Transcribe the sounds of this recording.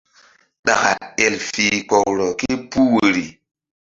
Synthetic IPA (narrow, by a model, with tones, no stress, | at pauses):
ɗa̰˨ka̰˨ɛ˨lfi˨k͡pɔ˨kɾɔ˨ke˦pu˦wo˨ɾi˨